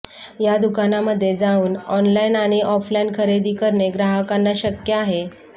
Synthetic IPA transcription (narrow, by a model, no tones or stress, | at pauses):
jad̪ukanaməd̪ʱːjed͡zauːnɔnlainaɽ̃iʔɔflainkʰəɾed̪iːkəɾɳeɡɾaɦəkanːaɕəkjəaɦe